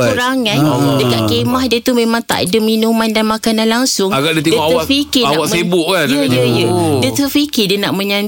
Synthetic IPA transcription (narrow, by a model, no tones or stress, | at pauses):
uɾaŋandəkaʔ̚kemahdiət̪umẽmãŋt̪a̰ʔdəmĩnumandanmakananlaŋsʊŋaɡaʔdit̪edəɔawafikɪaawaməsebʊʔkajəjjəjədət̪əfikidənaʔmə̃ɲan